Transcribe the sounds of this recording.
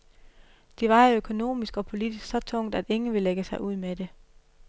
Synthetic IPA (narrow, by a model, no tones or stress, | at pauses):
d̥e̝ʋɑ̈økʰo̝no̝̰ːmisɡ̥ɒ̽pʰo̝lid̥isɡ̥sɒ̽t͡sʰɔ̽ŋ̰d̥æd̥e̝ŋn̩ʋe̝leɡ̥əsɑ̈ɪʔuð̰ˠmed̥e̝